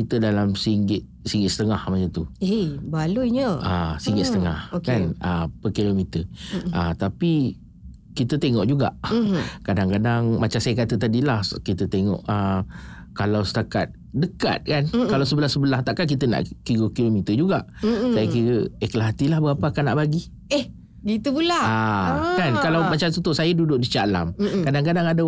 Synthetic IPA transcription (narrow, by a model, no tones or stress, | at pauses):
it̪ədalamsiŋɡɪt̪̚siŋɡɪt̪̚sə̥t̪əŋahmat͡ʃat̪uebalujɲəasiŋɡɪt̪sət̪əŋahokanəpəkilomit̪əʔat̪api | kit̪ət̪eŋɔʔd͡ʒuɡa̰ʔkadaŋkadaŋmat͡ʃamsajakat̪ət̪adilahkit̪ət̪eŋɔ̰ʔə | kalawsə̥t̪aka̰t̪̚ | dəka̰t̪̚kankalawsəbəlahsəbəlaht̪aʔkank̬it̪əna̰ʔkiɣəkilomit̪əd͡ʒuɡaʔsajəkiɾəɛklaɦat̪ilahbəapəakana̰ʔbaɡi | eh | ɡit̪ubulaakankalawmat͡ʃat̪ut̪osajədudʊʔ̚dit͡ʃala̰mkadaŋkadaŋada